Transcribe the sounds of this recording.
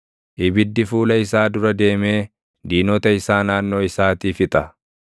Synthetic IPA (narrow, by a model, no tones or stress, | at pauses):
ʔɪbɪd̪ːɪfuːlɐɪsaːd̪ʊɾɐd̪e̞ːme̞ː | d̪iːnɔt̪ɐɪsaːnaːnːo̞ːɪsaːt̪iːfɪt̪ʼɐ